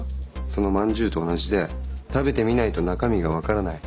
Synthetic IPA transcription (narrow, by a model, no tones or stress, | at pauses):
so̞no̞mãɲ̟d͡ʑɨːt̪o̞ːnaʑid̪e̞t̪abe̞t̪e̞mʲinait̪o̞nakamʲiɡaβ̞akaɾanai